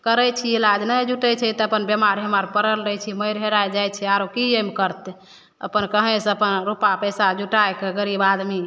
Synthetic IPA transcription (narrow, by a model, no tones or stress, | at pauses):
kəɾɛt͡ʃʰiilad͡ʒnajd͡ʒuʈɛt͡ʃʰɛt̪ɔəpənbjəmaɾiɦəmaɾpəɾəlɾəjt͡ʃʰiməjɾɦeɾajd͡ʒajt͡ʃʰɛaɾokiemkəɾt̪ɛ | ə̰pənkəɦẽsəpənɾupapəjsad͡ʒuʈaekeɡəɾibad̪mi